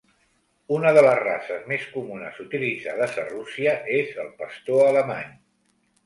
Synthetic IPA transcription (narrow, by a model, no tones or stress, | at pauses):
unəðələzra̰səzmeskumunə̰zut̪ilid͡za̰ðəzə̰rusiəʔezəlˠpəst̪oələma̰ɲ